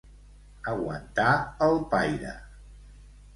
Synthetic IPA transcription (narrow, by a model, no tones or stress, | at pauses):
əɣwə̰nt̪aəlˠpajɾə̰